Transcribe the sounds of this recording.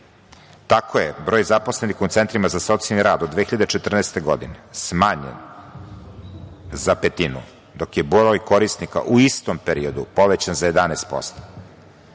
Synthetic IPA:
t̪akʰojebɾoːjzapo̞slenixut̪sent̪ɾimazaso̞t̪sialniɾaːd̪od̪ʋeːxiʎad̪et͡ʃe̞t̪r̩nɛːst̪eɡo̞̰d̪inesmaːɲḛn | zapet̪inṵ | d̪o̞kjebɾojko̞ɾist̪nika̰ʔuist̪ompeɾiod̪upo̞ʋet͡ɕanzaje̞d̪anest̪̚po̰st̪o̥

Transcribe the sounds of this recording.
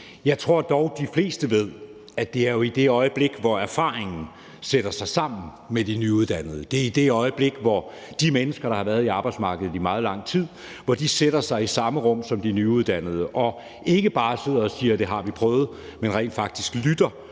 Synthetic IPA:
jɑ̈ɪt͡sʰʁo̝ɐ̰d̥ɒʊd̥ifle̝̰ːsd̥əʋe̝ð̞̰ˠ | æd̥e̝æɐjo̝id̥e̝ɒ̽ɪəb̥le̝ɡ̥ʋɒæɐfɑ̈ːʁeŋn̩ | seɾ̥ɐsɑ̈ɪsɑ̈m̰n̩ | med̥inyuð̞ˠd̥æn̰ð̞̩ˠəd̥e̝ɐid̥e̝ɒ̽ɪəb̥le̝ɡ̥ʋɒ | d̥imenəsɡ̥ɐɾ̥ɑ̈hɑ̈ʋæɐð̞̩ˠiɑ̈ːb̥ɑ̈ɪ̥smɑ̈ːɡ̥əð̞̩ˠimɑ̈ːð̞̩ˠlɑ̈ŋ̰t͡sʰið̰ˠ | ʋɒd̥iseɾ̥ɐsɑ̈ɪisɑ̈məʁɔ̽m̰sɒ̽md̥inyuð̞ˠd̥æn̰ð̩ˠəʔɒ̽ | e̝ɡ̥əb̥ɑ̈ːse̝ð̰ˠɐ̽ːsiːɐd̥e̝ɦɑ̈ʋipʰʁœːʊð̞̩ˠmenʁɛ̰ːnd̥fɑ̈ɡ̥̚d̥isɡ̥lyd̥ɐ

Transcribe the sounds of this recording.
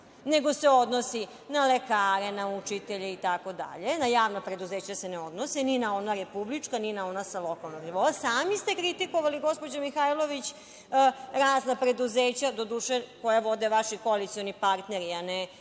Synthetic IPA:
neɡo̞seo̞d̪nosi | nalekaːɾe̞naut͡ʂit̪eʎeit̪ako̞d̪a̰ʎe̞najaːʋnapɾe̞d̪uzeːt͡ɕaseneo̞d̪nosininao̞naɾepublit͡ʂkaninao̞nasalˠo̞kalˠnoɡniʋoasaːmist̪e̞kɾit̪ikoʋaliɡo̞spo̞d͡ʑamixajlo̞ʋit͡ɕː | ɾaːznapɾe̞d̪uzeːt͡ɕad̪o̞d̪uːʃeko̞jaʋo̞d̪eʋaʃikoalit̪sio̞nipaɾt̪neɾiane

